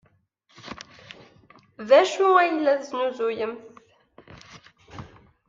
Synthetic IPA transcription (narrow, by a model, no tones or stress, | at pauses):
ðæʃuæjəlːæθznuzujəmθ